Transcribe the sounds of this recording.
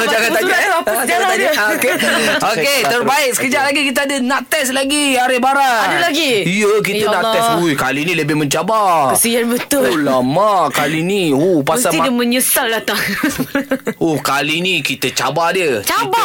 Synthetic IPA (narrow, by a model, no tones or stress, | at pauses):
d͡ʒaɡat̪aaapad͡ʒaaat̪ad͡ʒokeoket̪ərbaɪk̚sə̥kəd͡ʒaʔlaɡikit̪̬əadənaʔt̪ɛslaɡiaɾɪbaɾaadulaɡiijək̬it̪ənat̪ɛsujkalinĩləbɪhmə̃ɲt͡ʃabakəsianbət̪ʊllamaʔkaliniopaməsat̪iadəməɲəsaldat̪aŋ | ohkalinikit̪ət͡ʃabadət͡ʃaba